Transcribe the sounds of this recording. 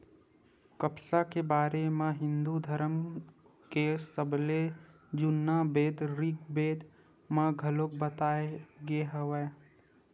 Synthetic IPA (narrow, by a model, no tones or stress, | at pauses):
kəpsakebaːɾemãɦɪ̃nd̪ud̪ʱəɾəm | kesəble | d͡ʒʊnːabeːd̪ɾɪk̚beːd̪ | mãɡʱəlokbət̪aːeɡeɦəʋeː